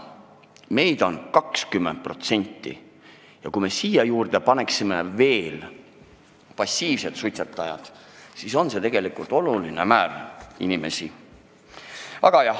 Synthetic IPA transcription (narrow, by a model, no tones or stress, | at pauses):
me̞jd̪̥o̞nkɑkskymːen̚pro̞t̪se̞nʲt̪ːˑḭ | jɑkume̞siːjɑjuːrd̪̥e̞pɑne̞ksimḛve̞ːl | pɑsːiːvse̞t̪sujt̪set̪ːˑɑjɑ̰d̪̥ | siso̞nse̞t̪e̞ɡ̥e̞likˑult̪ːˑo̞lulinemæːrinime̞si | ɑɡ̥ɑjɑ